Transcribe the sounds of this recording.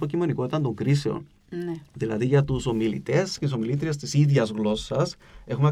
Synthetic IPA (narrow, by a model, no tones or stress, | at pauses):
pocimo̞niko̞t̪it̪ɐnt̪o̞ŋkɾis̬e̞o̰n | nðilɐ̰ðiʝɐt̪uso̞milḭt̪e̞scet̪is̬o̞milit̪ɾies̬t̪isiðʝɐzɣlo̞sːɐs | e̞xume